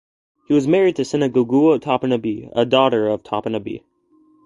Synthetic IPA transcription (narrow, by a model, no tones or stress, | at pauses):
hiwʌzmɛɹid̚tʰɨsɪ̃nɨɡoɡuotʰɑpɨnɨbiə̰dɔɾə˞ʌv̥tʰɑpɨnɨbḭ